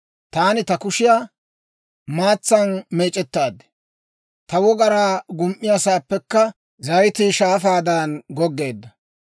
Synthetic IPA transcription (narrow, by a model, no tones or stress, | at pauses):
t̪aːnɪt̪ɐkʊʃɪjaː | maːt͡sːɐnmeːt͡ʃʼːɛt̪ːaːd̪ɛ̥ | t̪ɐwɔɡɐɾaːɡʊmʔːɪjasaːpːɛkːɐ | zɐjt̪ɪʃaːfaːd̪aːnɡɔɡːe̞ːd̪ːɐ